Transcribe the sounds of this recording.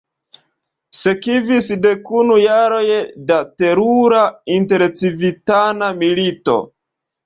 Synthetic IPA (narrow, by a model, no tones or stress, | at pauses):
se̞kivisde̞kunujaɾo̞jdate̞ɾuɾainte̞ɾt͡sivitanamilito̞̰